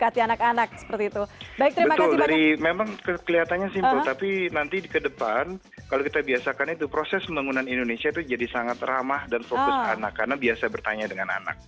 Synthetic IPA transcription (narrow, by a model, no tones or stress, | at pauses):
kat̪ianakanak̚sə̥pərt̪iːt̪ubaɪk̚t̪əɾibəat̪ʊldaɾimemaŋkəkəliɦat̪anɲasimmpəlt̪apinant̪idikədəpan | kalokit̪abiasakanit̪upɾosɛsəmbaŋunanindonesiait̪ud͡ʒadisaŋat̪ramahdanfokʊsanakːarnabiasabərt̪aɲadəŋana̰na̰k̚